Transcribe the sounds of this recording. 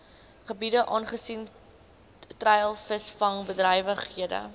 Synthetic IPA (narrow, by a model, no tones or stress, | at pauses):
χəbidəʔɑːnχəsin | trɛjlˠfəsfɐŋbədrɛjvəχɦiədə̰